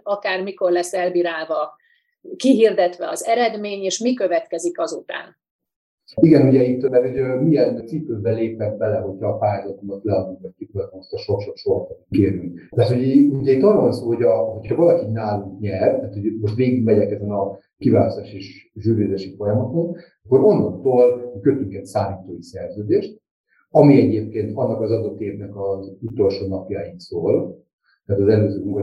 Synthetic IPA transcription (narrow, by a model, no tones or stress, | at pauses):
ɒkaːrmiko̞rlɛsːɛlbiːɾaːlvɒ | kiɦird̪ɛt̪ʋɛɒ̰zɛɾɛd̪meːɲeːʃmikøvɛt̪kɛzikɒzut̪a̰ːn | iɡɛnuɟɛit̪ːmɛɾuɟmijɛnt̪sikːøzbɛleːpɛmbɛlɛɦo̞cʰhɒːpaːjazɒt̪omɒt̪lɛɒd̪uŋtɛctːik̪ɛt̪moʃt̪ɒʃo̞kʃo̞kʃoɾkɔt̪keːɾyŋkt̪aːt̪hoɟuɟɛit̪ːɒnonsoːhoɟɒɦo̞cʰhɒvɒlɒkinaːlukɲɛrt̪aːt̪ho̞ɟmo̞ʃt̪reːɡiɡmɛɟɛkɛzɛnɒ | kivaːlɒst̪aːʃeʃʒyːrjeːzeːʃifo̞jɒmɒt̪o̞n | ɒkːo̞ɾonːokt̪oːlkøt̪yŋkɛt̪saːliːt̪oːisɛrzøːd̪eːʃt̪̚ | ɒmiɛɟeːp̚keːnt̪ɒnːɒkɒzɒd̪o̞t̪ːeːvnɛkɒzut̪o̞lʃoːnɒpjaiksoːl | t̪aːt̪ɒzɛløːzøːuŋɡo